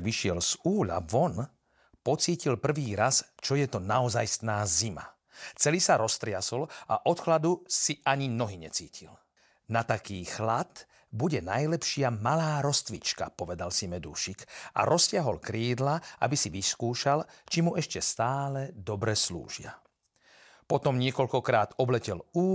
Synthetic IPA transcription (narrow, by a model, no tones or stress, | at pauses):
ɡʋiʃɪɛlz̥uːʎa̰ʋɔn | pɔt͡siːcilpr̩ʋiːɾast͡ʃɔjɛt̪ɔnaɔzajst̪naːzima̰ | t͡sɛlisaɾɔst̪ɾɪasɔla̰ʔɔt̪xlad̪usiʔaɲimnɔɦiɲɛ̰t͡siːcʰil | nat̪akiːxlat̪ | buɟɛnajlɛpʃɪamalaːɾɔst̪ʋḭt͡ʃka̰pɔʋɛd̪alsimɛd̪ṵːʃikʔa̰ɾɔsɪaɦɔlkɾiːd̪laʔa̰bisiʋiskuːʃalt͡ʃimuɛʃcɛst̪aːlɛd̪ɔbɾɛslṵːʒɪa̰ | pɔt̪ɔmɲɪɛkɔʎkɔkɾaːt̪ɔblɛcɛluː